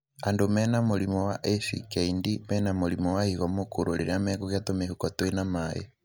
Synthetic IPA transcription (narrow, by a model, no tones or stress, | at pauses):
andomɛnamulimɔwaʔɛfḭkɛindimɛnamulimɔwahiɣɔmokuɾoliɾamɛkɔkjatomehukatwenamajɛ̰